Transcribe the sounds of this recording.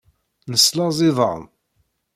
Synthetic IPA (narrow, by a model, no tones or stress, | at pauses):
nəslɑzˤɪðˤə̰m